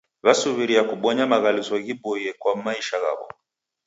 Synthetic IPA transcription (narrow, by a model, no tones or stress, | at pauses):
βasuβiɾijakuɓɔɲamaɣalizɔɣibɔjɛkwamaiʃaɣa̰βɔ̰